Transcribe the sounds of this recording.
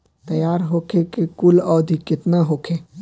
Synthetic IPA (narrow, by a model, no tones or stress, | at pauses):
t̪ɐjaːɾɦoːkʰekekʊlɔːd̪ʱikɪt̪naɦoːkʰeː